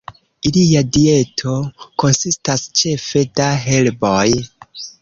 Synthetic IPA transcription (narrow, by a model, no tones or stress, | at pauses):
iliadie̞tʰo̞ko̞nsistast͡ʃe̞fe̞daɦe̞lboj